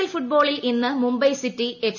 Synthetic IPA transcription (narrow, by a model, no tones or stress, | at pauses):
ɐlfuʈ̚bo̞ːɭilinːɨmumbɐjsitːief